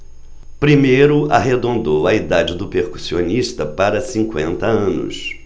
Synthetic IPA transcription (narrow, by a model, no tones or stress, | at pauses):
pɾimejɾʊa̰ɦed̪õnd̪owɐid̪ad͡ʒɪd̪ʊpeɾku̥sioniʃt̪ɐpaɾɐsĩkwḛ̃nt̪ɐɐ̃nʊ̰s